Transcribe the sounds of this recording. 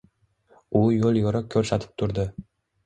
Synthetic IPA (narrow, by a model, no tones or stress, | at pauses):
ʊjolˠjoɾakʲʰːɵɾsat̪ʰɪ̥p̚t̪ʰʊɾd̪ɪ